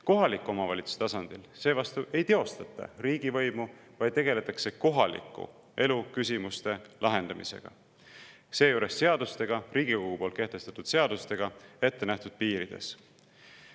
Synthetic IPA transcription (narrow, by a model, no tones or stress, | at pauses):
ko̞ɦɑlikːˑuo̞mɑvɑlʲit̪su̥se̥t̪ɑsɑnd̪̥ilse̞ːvɑst̪uʔe̞jt̪e̞o̞st̪ɑt̪ːˑɑ̰ɾiːɡivɤ̞jmuvɑjd̪̚t̪e̞ɡe̞le̞t̪ːˑɑkse̞ko̞ɦɑlḭkːˑṵ | e̞lukys̬ʲimust̪e̞lʔɑɦe̞nd̪̥ɑmḭsḛɡ̥ɑ̰ | se̞ːjuːɾe̞sːe̞ɑd̪ust̪e̞ɡ̥ɑɾiːɡ̥ikoɡ̥upo̞lt̪̚keht̪e̞st̪ɑt̪ːˑud̪̥se̞ɑd̪̥ust̪e̞ɡ̥ɑe̞t̪ːenæht̪ud̪̥̚piːɾid̪̥e̞̰s